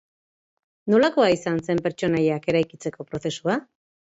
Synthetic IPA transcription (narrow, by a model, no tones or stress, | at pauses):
no̞lako̞aisanse̞mpe̞ɾt͡ʃo̞najake̞ɾajkit͡se̞ko̞pɾo̞θe̞sua